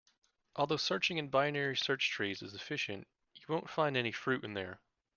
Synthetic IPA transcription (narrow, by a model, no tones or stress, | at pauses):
ʔɔlˠðoʊsɜ˞t͡ʃɪ̃ŋɨ̃nbaɪɨnɛɹisɜ˞t͡ʃtʰɹ̥izɨzɨfɪʃɨ̰̃nʔ | ɨwõʊ̃ntfãɪ̃ndɛnifɹʉɾɨ̰̃nðə̰˞